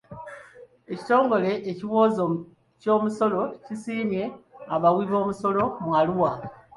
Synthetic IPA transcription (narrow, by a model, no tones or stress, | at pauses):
e̞ci̥to̞ːŋɡo̞le̞ʔːciβo̞ːzo | co̞ːmuso̞lo̞cisiːmje̞aβawiːβo̞ːmuso̞lo̞mwaluwa